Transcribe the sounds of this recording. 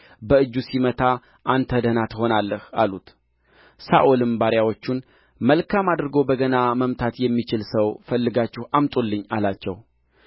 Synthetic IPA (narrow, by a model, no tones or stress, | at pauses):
bəɨd͡ʒːusimət̪ʰa | ʔant̪ʰəd̪ənat̪ho̞nalːəhalut̪ | saʔolɨmbaɾjawo̞t͡ʃːun | məlkʰamad̪ɾɨɡo̞bəɡənaməmt̪ʰat̪jɛmːit͡ʃɪlsəwfəlːɨɡat͡ʃːɪhʔamt̪ʼulːɨɲːalat͡ʃːɛw